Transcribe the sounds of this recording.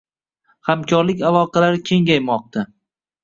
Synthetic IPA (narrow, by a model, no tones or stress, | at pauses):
hamkʰɒɾlɪkʲalˠɒqʰɑlaɾkʲʰe̞ŋɡʲajmɒq̚t̪ʰa